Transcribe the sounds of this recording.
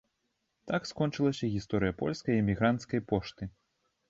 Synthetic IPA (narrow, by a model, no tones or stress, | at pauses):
t̪akskɔnt͡ʂɨlˠɐsʲɐɣʲist̪ɔɾɨjɐpɔ̰lʲskɐjɛmʲiɣɾant̪skɐjpɔʂt̪ɨ